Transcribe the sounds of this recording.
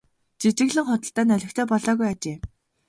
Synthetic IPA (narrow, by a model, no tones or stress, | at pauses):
t͡ɕit͡ɕɪ̆ɣɮɘ̆ŋχʊt̪ə̆ɬt̪æːnœɮʲɪ̆xt̪ʰœːpɔɮɔːɣujat͡ɕeː